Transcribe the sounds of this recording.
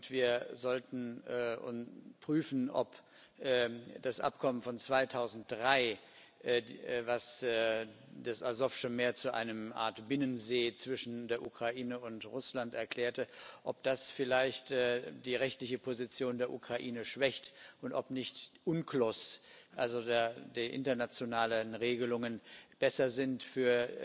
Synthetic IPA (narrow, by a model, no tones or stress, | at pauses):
ʊntv̥iːɐzɔltn̩ːʊ̰npʁ̥yːfn̩ɔ̰p | ʔːd̥asʔa̰pkʰɔmənfɔnt͡sv̥aɪtʰaʊzn̩t̚d̥ʁaɪ | ʔvas | dasazɔfʃonmeːɐt͡suʔa̰ɪnəmʔa̰ːɐtb̥ɪnənzeːt͡sv̥ɪʃn̩deːɐʔukʁ̥aʔiːnəʊntʁʊslantɛ̰ɐkl̥ɛːɐtəʔɔp̚d̥asfɪlaɪçtːd̥iːʁɛçtlɪçəpʰozit͡sjoːndeːɐʔṵkʁ̥aʔiːnəʃv̥ɛçtʔʊntʔɔpnɪçtʔʊnkʰlɔsʔalzodeɐdiʔɪ̰ntɐnat͡sjonaːlənʁeːɡəlʊŋənb̥ɛsɐzɪntfyːɐ